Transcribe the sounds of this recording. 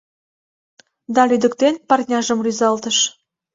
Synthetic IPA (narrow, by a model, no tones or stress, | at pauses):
d̪ɑlyd̪ə̆kt̪enpɑrt̪ʲnʲɑʒə̆mryzɑlt̪ə̆ʃ